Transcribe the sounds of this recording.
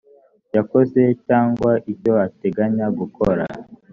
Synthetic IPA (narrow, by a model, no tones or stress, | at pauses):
jako̞ze̞caːŋɡwaʔibjoateɡaɲaɡukʰoɾa̰